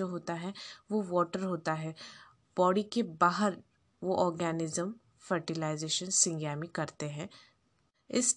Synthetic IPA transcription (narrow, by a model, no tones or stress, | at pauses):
oɦoːt̪aɦɛʋoʋɔːʈəɾɦoːt̪aɦɛː | b̥ɔːɽikebaːɦəɾ | ʋoʔɔːɾɡɛːnɪzəm | fəɾʈɪlaːɪzeːʃənsɪ̃ŋɡjaːmikɐɾt̪eɦɛ̃ː | ɪs